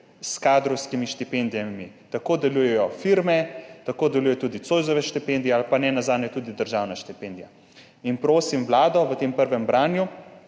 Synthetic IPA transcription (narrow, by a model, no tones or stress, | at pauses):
skaːd̪ɾɔwskimiʃt̪ipend̪ijamit̪akoːd̪ɛluːjɛjɔfiɾmɛt̪akoːd̪ɛluːjɛt̪ud̪it̪soːjzɔʋɛʃt̪ipɛnd̪ijɛalpanɛnazaːnɛt̪uːd̪id̪əɾʒaːwnaʃt̪ipend̪ija̰ | inpɾoːsimʋlaːd̪ɔʋət̪empəɾʋɛmbɾaːnju